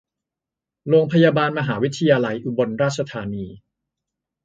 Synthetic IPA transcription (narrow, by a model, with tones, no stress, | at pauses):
ɾoː˧ŋpʰa˧jaː˧baː˧nma˧ɦaː˩˦wi˦˥t̪ʰa˧jaː˧la˧jʔu˧bo˧nɾaː˥˩t̪̚t͡ɕʰa˧t̪ʰaː˧˦niː˧